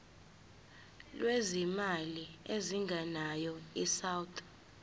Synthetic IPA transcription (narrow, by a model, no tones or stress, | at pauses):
lwezimalieziŋɡʱanajɔisawtʰʼ